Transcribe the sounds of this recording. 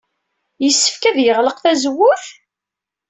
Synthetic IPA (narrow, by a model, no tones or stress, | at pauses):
jəsːə̥fkæðjəʁləqθæzwːʊθ